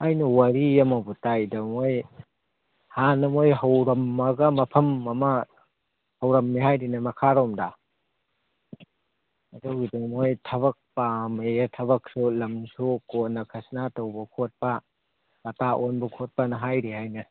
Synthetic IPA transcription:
ajnɐwɐɾiɐmɐbutajdɐmoj | hanɐmojɦɐwɾɐmːɐɡɐmɐpʰɐmɐmɐ | hɐwɾɐmːiɦajdinɐmɐkʰaɾɔmda | ɐdɔwɡidɐmojtʰɐβɐk̚pametʰɐβɐk̚sulɐmsukonɐkʰɐsnatɐwbɐkʰot̚pɐ | bɐtaʔonbɐkʰot̚pɐnɐɦajɾihajnɐ

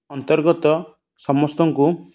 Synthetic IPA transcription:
ɔnt̪ɔɾɡɔt̪ɔ | sɔmɔst̪ɔŋku

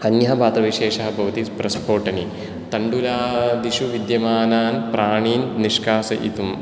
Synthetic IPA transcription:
ɐnjɐɦɐbʱaːt̪ɐʋiʃeːʃɐɦɐbʱɐʋɐt̪ipɾɐspʰoːʈɐni | t̪ɐɳɖulaːd̪iʃuʋid̪jɐmaːnaːnpɾaːɳiːnːiʃkaːsɐʔit̪um

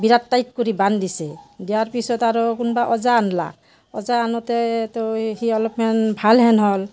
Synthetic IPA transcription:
biɾatːajt̚kɔɹibandisɛdijaɹpisɔtaɹɔkunɔbaʔɔzaːnla̰k | ɔ̰zaːnɔtɛtɔhiɔlɔpmanbʱalɦɛnɦɔl

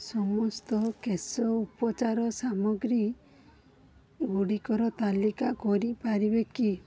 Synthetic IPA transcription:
sɔmɔst̪ɔkesɔupɔt͡ʃaɾɔsamɔɡɾi | ɡuɽikɔɾɔt̪alikakɔɾipaɾibeki

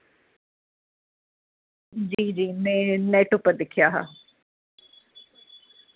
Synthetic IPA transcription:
d͡ʑiːd͡ʑiːnenɛːʈʊpəd̪ɪkʰijaːɦa̰ː

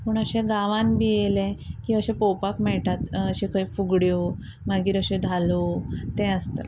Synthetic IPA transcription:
puːɳəɕɛ̃ɡaʋãnbijelɛ̃kĩəɕɛ̃pɔwpakmɛɭʈat̪əɕẽkəjfuɡɽjo | maɡiːɾəɕẽd̪ʱalot̪ɛ̃əst̪ə̰

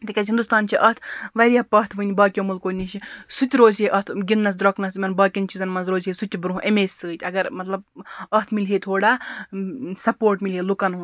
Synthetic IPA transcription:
t̪ikʲɐsɦind̪ust̪aːnt͡ʃʰiʔɐt̪ʰʋɐɾʲijaːpɐɦt̪ʰʋɨnʲbaːkʲjomulkoːnit͡ʃʰisut̪ʲɾoːzʲɦeʔɐt̪ʰɡʲinnɐs̬d̪ɾɐknɐsmɐnbaːkʲɐnt͡ʃʰizɐnmɐnzɾoːzɦesut̪ʲibɾɦũʔemeːsʲsɨːt̪ʲɐɡɐɾmɐt̪lɐbɐɦt̪ʰmilɦet̪ʰoːɽaː | sɐpoːɾʈmilɦeːlukɐnɦu

